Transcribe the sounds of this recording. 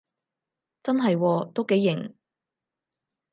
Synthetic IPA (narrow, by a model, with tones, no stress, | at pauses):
t͡sɐ˥nɦɐ˨jwɔː˧t̪o˥wke˨˥jːɪ˨˩ŋ